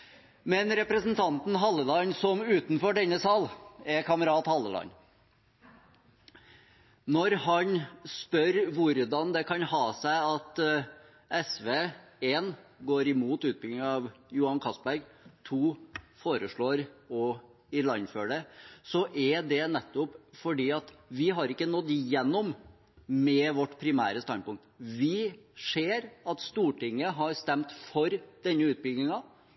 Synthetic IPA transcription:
mɛnɾɛpɾəsnt̪ʰɑnt̪n̩ɦɑlːəlɑnsɔmʉːt̪nfɔɖɛnːəsɑːlɛɾkʰɑməɾɑːt̪hɑlːəlɑ̰n | nɔɾɦɑɲspœɾʋʊɾd̪ɑnd̪ɛkʰɑnhɑːsæɪɑt̪ | ɛsʋeːeːnɡoːɾɪmuːt̪ʉːt̪̚bɪlɪŋɑʋjuːhɑnkʰɑsbæɾɡt̪ʰuːfoːɾəʂɭoːɾɔ | ɪlɑnːføːɖɛsɔʔɛd̪ɛnɛt̪ːɔpfɔɖiːɑt̪ʋɪɦɑɾɪkːənɔd̪ːjɛnːɔm | mɛʋɔʈːpʰɾɪmæ̰ːɾəst̪ɑnpʊŋk̚t̪ʋɪʂeːɾɑt̪st̪uːʈɪŋːəɦɑɾst̪ɛmt̪fɔɾd̪̥ɛnːəʉːt̪̚bʏɡ̪nɪŋɑ

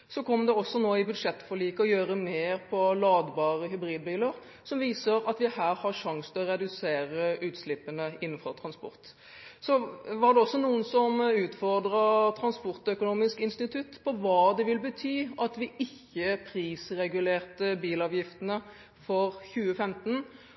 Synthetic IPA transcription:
sɔkʰɔmːd̪ɛɔsːɔnoːɪbʉd̪ʂɛt̪ːfɔɭiːkəɔjøːɾəmeːʁpʰɔlɑːd̪bɑːʁəɦʏbɾiːd̪̚biːləɾ | sɔmʋiːsəɾɑt̪ʋɪhæːɾhɑɾʂɑŋsnʰɪlɔʁɛd̪ʉseːɾəʉːt̪slɪpːənəɪnːn̩fɔt̪ʰɾɑnspɔ̰ʁt̪ | sɔʋɑd̪ɛɔsːɔnuːənsɔmʉːt̪fɔʁd̪ɾət̪ʰɾɑnspɔʁt̪œkʊnuːmɪskɪnst̪ɪt̪ʰʉt̪pʰɔʋɑːd̪ɛʋɪlbət̪ʰyːɑt̪ʋɪʔɪçːəpʰɾiːsɾɛɡʉleːʁt̪əbiːlɑːʋjɪft̪ənə | fɔɾçʉːəfɛmt̪n̩

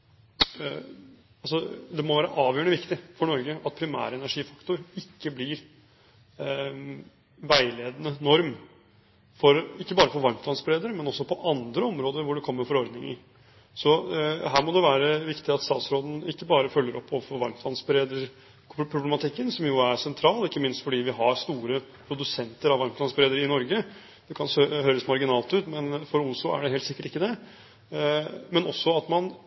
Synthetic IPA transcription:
ɑlsɔd̪ɛmɔʋæːɾəʔɑːʋjøːɳəʋɪkt̪ɪfɔɳɔɾɡəʔɑt̪̚pʰɾɪmæ̰ːɾəɛnæʂiːfɑ̥kt̪ʊɾɪkːəblɪɾ | ʋæɪleːd̪ənənɔɾm | fɔɾɪkːəbɑːɾəfɔɾʋɑɾmt̪ʰlɑnsbɾeːd̪əɾmɛnɔsːɔpʰɔʔɑnd̪ɾəɔmɾoːd̪əɾʋʊɖɛkʰɔmːəɾfɔɾɔɾd̪nɪŋə̰ | sɔɦæːɾmɔd̪ɛʋæːɾəʋɪkt̪ɪɑt̪st̪ɑːt̪sɾoːd̪n̩ɪkːəbɑːɾəfœlːəɾʔɔpːɔfɔɾʋɑɾmt̪ʰlɑnsbəɾeːd̪ə | pʰɾʊblɛmɑt̪ʰɪkːənsɔmjʊæɾsɛnt̪ʰɾɑːlɪkːəmɪnst̪fɔɖiːʋɪɦɑɾst̪uːɾəpʰɾʊd̪ʉsɛnt̪əɾɑʋɑɾmt̪lɑnsbəɾeːd̪əɾɪnɔɾɡə | d̪̥ɛkʰɑnsøɦøːɾəsmɑɾɡɪnɑːlt̪ʉːt̪mɛnfɔɾʊslʊæ̰ɖɛheːlt̪sɪkːəʈɪkːəd̪ɛ | mɛnɔsːɔɑt̪mɑn

